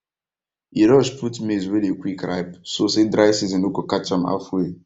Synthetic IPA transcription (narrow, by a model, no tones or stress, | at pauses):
iɾɔʃpʰutmizɹilekwikɹa̰ɪpsosedɾaɪsizɔ̃nokokat͡ʃãma̰fwe